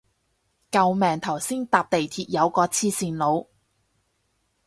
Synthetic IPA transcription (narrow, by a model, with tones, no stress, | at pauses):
kɐ˧wmɛː˨ŋt̪ʰɐ˨˩wsiː˥nt̪aː˧p̚t̪e˨jt̪ʰiː˧t̚jɐ˨˧wkɔː˧t͡sʰiː˥siː˨nlo˨˧w